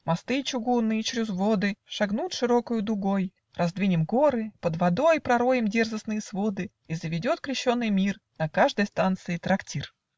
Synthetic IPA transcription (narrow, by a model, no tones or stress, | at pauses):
mɐst̪ɨt͡ɕʊɡunːɨjət͡ɕɾʲʊzvod̪ɨʂɐɡnut̪ʂɨɾo̞kəjʊd̪ʊɡoj | rɐzd̪vʲinʲɪmɡo̞ɾɨpəd̪vɐd̪o̞jpɾɐɾo̞jɪmdʲe̞rzəsnɨjəsvod̪ɨ | izəvʲɪdʲo̞t̪kɾʲɪɕːo̞nːɨjmʲirnɐkaʐd̪əjst̪ant̪sɨɪt̪ɾɐktʲir